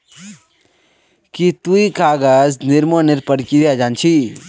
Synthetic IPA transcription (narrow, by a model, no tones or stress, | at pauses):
kit̪uikaːɡaznɪɾmonɪɾpəɽkiɾjad͡ʒaːnt͡ʃʰi